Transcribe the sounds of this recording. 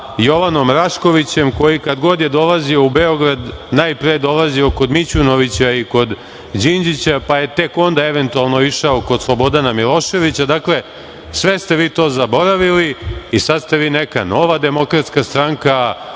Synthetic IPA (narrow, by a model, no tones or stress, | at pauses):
jo̞ʋano̞mɾaʃko̞ʋit͡ɕemko̞jikad̪ɡo̞d̪jed̪o̞lˠazioubeo̞ɡɾad̪naːjpɾejed̪o̞lazio̞ko̞d̪mit͡ɕuno̞ʋit͡ɕaiko̞d̪ | d͡ʑind͡ʑit͡ɕapaje̞t̪e̞ko̞nd̪ae̞ʋe̞nt̪ualˠno̞iʃaokod̪slˠo̞bo̞d̪anamilˠo̞ʃe̞ʋit͡ɕad̪akle̞ | sʋe̞st̪e̞ʋiːt̪o̞ːzabo̞ɾaʋiliisad̪st̪eʋiːneka̰no̞ʋad̪e̞mo̞kɾat̪skast̪ɾaŋka